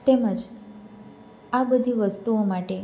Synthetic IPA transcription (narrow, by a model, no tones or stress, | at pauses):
t̪eməd͡ʒ | abəd̪ʱiʋəst̪uomaʈe